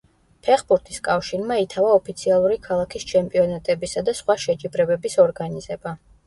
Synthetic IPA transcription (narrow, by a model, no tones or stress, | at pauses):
pʰɛχbuɾt̪ʰiskʼafʃinmait̪ʰavaɔpʰit̪sʰialˠuɾikʰalˠakʰist͡ʃʰɛmpʼiɔnat̪ʼɛbisad̪asχwaʃɛt͡ʃʼibɾɛbɛbisɔɾɡaniz̥ɛba